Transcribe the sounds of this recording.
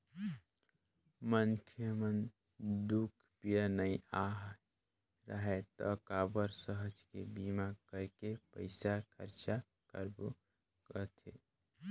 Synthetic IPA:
mənkʰjəmən | d̪ukʰpijanəĩaːɦ | ɾəɦet̪ɔkaːbəɾsəɦəd͡ʒkebiːmakəɾkepə̰ɪsakʰəɾt͡ʃa | kəɾbu | kət̪ʰḛ

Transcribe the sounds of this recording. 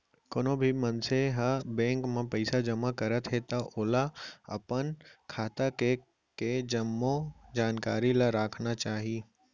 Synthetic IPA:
konõbʱimɐnseɦabɛ̃ːŋkmãpɐɪsad͡ʒɐmakɐɾət̪ɦet̪aʔoːlaɐ̰pənkʰaːt̪ake | ked͡ʒɐmːod͡ʒaːnkaːɾilaɾaːkʰnat͡ʃaːɦiː

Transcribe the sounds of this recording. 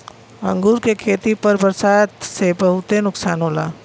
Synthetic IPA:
ɐ̃ŋɡuːɾkekʰeːt̪ipɐɾbɐɾsaːd̪sebɐɦʊt̪enʊksaːnɦoːlaː

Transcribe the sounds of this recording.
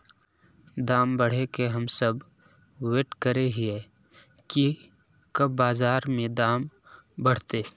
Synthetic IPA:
d̪aːmbəɽ̤ekeɦəmsəb | weːʈkəɾeɦiɛ | ki | kəbːaːzaːɾmẽd̪aːm | bəɽ̤t̪eː

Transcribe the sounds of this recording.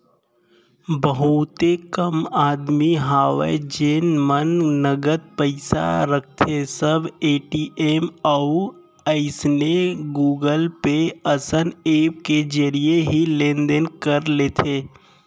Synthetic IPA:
bəɦʊt̪ekəmaːd̪miɦaːʋḛd͡ʒeːnmənːəɡəd̪̚pəɪsa̰ɾək̚ʰt̪ʰesəbeːʈiːʔeːmɔ | əɪsneɡuːɡəlpeəsəneːpked͡ʒəɾieɦilẽːnd̪enkəɾleːt̪ʰeː

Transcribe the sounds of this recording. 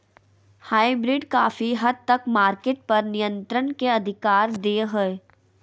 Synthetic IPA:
haːibɾɪɖkaːfiɦɐd̪̚t̪ɐkmaːɾkeːʈ̚pɐɾnijə̃nt̪ɾənkeɐd̪ʱɪkaːɾd̪eːɦoe

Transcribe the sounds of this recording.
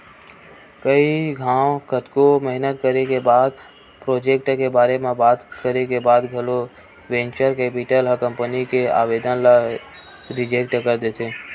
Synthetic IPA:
kəiɡʱãːwkət̪komɛɦnət̪kəɾekebaːd̪ | pɾoːd͡ʒeːk̚ʈkebaːɾemẽbaːt̪kəɾekebaːd̪ɡʱəlo | ʋẽnt͡ʃəɾkeːpiʈələkə̃mpənikea̰ːʋed̪ənla | ɾɪd͡ʒek̚ʈkəɾd̪et̪ʰe

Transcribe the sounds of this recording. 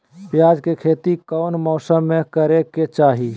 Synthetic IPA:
pjaːd͡ʒkekʰeːt̪ikəʊnmɔːsəmːẽkəɾeket͡ʃaːɦi

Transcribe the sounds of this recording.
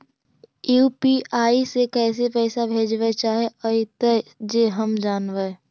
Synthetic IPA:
juːpiːʔaːisekɛːs̬epɛːsabʱeːd͡ʒʋet͡ʃaːɦeɔit̪ɛd͡ʒeɦəmd͡ʒaːnʋe

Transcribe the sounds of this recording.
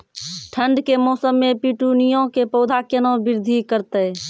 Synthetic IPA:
ʈʰəɳɖkemɔːsəmːepiʈunijõkepəʊd̪ʱakjənõbɪɾd̪ʱikəɾt̪ə

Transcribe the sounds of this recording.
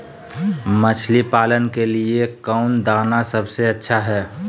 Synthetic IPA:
mət͡ʃʰlipaːlənkeliekəʊnd̪aːnasəbseətːʃʰaɦɛː

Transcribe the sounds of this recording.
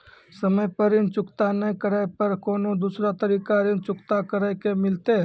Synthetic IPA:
səməjpəɾint͡ʃʊkt̪anəkəɾəpəɾkoːnod̪usɾat̪əɾiːkaɾint͡ʃʊkt̪akəɾəkemɪlt̪eɦ

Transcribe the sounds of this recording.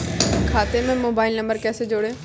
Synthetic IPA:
kʰaːt̪emɛ̃ːmoːbaːɪlnə̃mbəɾkɛːsed͡ʒoːɽeː

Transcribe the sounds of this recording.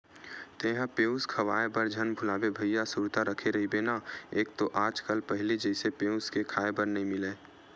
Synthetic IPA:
t̪eɦãpeːʊ̃skʰəʋaːebəɾd͡ʒʱənbʱʊlaːbebʱəjjasʊɾt̪aɾəkʰeɾəɦibenaeːk̚t̪oʔaːd͡ʒkəlpəɦɪlid͡ʒəɪsepeːʊ̃skekʰaːebəɾnəɦĩmɪleː

